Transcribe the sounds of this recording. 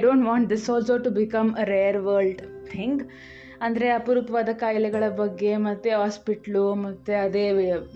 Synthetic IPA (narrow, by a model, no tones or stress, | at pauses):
jɖõːɳʈʋãːɳʈ̚d̪isɔːlsoːʈubikɐmɾeːɐɾʋɐːɾlɖt̪ʰĩŋɡ | ɐnd̪ɐɾe̞ɐpuɾup̪ɐʋaːd̪ɐkaːjlɛɡɐɭɐbɐɡːe̞mɐt̪ːeɦaːspiʈɐlumɐt̪ːeɐd̪eː